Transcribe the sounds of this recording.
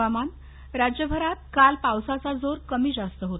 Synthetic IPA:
aman | ɾad͡ʑjəbʱəɾat̪̚kalpawsat͡sad͡zoɾkəmiːd͡zast̪əɦot̪

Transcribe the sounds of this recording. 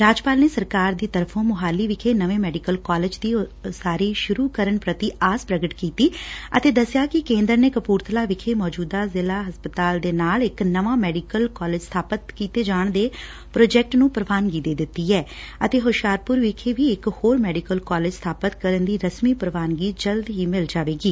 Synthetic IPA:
ɾaːd͡ʒpaːlneːsəɾkaːɾd̪iːt̪əɾpʰõːmʊɦaːliːʋɪkʰeːnəʋẽːmɛːɖɪkəlkɔːlɪd͡ʒd̪iːsaːɾiːʃʊɾuːkəɾəɳpɾət̪iːaːspɾəɡəʈkiːt̪iːət̪eːd̪əsjaːkɪkẽːnd̪əɾneːkəpuːɾt̪ʰəlaːʋɪkʰeːmɔːd͡ʒuːd̪aːzɪlaːɦəspət̪aːld̪eːnaːlɪknəʋãːmɛːɖɪkəlkɔːleːd͡ʒst̪ʰaːpət̪kiːt̪eːd͡ʒaːɳd̪eː | pɾoːd͡ʒɛk̚ʈnũːpəɾəʋaːnɡiːd̪eːd̪ɪt̪ːiːɛː | ət̪eːɦʊʃjaːɾpʊɾʋɪkʰeːʋiːɪkhoːɾmɛːɖɪkəlkɔːlɪːd͡ʒst̪ʰaːpət̪kəɾənd̪iːɾəsmiːpəɾəʋaːnɡiːd͡ʒəld̪ɦiːmɪld͡ʒaːʋeːɡiː

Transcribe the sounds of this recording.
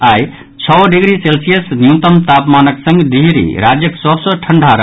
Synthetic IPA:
aj | t͡ʃʰɔwɖiɡɾiselsijəsnjut̪əmt̪apmanəksə̃ŋɡd̪iɦɾḭɾad͡ʒjəksɔbsəʈʰəɳɖʱaɾə

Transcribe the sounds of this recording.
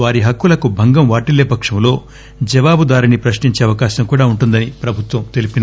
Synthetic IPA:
ʋaːɾiɦɐkːulɐkubʱɐŋɡɐmʋaːʈilːeːpɐkʂɐmlo̞ː | d͡ʒɐʋaːbud̪aːɾinipɾɐʂɳiɲt͡ʃeːɐʋɐkaːɕɐmkuːɽaːuɳʈund̪ɐnipɾɐbʱut̪ʋɐmt̪e̞lipin

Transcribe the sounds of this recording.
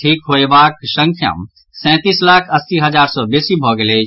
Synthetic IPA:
ʈʰiːkɦoːebaːkʃə̃ŋkʰjə̰m | sɛ̃ːt̪iːslaːkʰɐsːiɦɐzaːɾsɔːbeːsibʱɔːɡəleː

